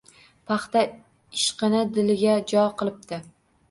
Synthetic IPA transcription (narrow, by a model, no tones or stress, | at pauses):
pʰɑχt̪a | ɪʃqɨnɪd̪ɪlɪɡʲad͡ʒɒqʰɨlˠɪp̚t̪ɪ